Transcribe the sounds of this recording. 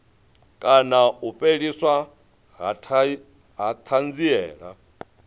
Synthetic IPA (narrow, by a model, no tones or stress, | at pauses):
kʼanaupʼeɺiswa | ɦ | ɦat̪ʰand͡ziɛ̰ːɺa̰